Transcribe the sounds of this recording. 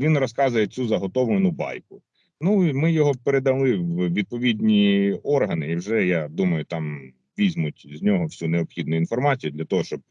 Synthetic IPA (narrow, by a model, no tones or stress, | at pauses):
ʋʲinrɔskɑzʊjet͡sʲuzɐɦɔt̪ɔʋ̪enʊbɑ̰jkʊ | nuimɪjɔɦɔpeɾed̪ɐlˠɪwʋʲid̪̚pɔʋʲidʲnʲiɔrɦɐnɪiwʒɛjad̪umɐjʊt̪ɑm | ʋʲizʲmʊtʲzʲnʲɔɦɔwsʲuneɔpxʲid̪nʊʊinfɔrmɑt͡sʲijʊd̪lʲɐt̪ɔɦɔʃt͡ʃɔb̚